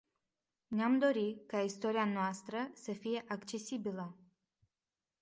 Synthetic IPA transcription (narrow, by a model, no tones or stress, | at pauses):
neamd̪o̞ɾikaist̪o̞ɾianoast̪ɾəsəfije̞ʔakt͡ʃe̞sibilə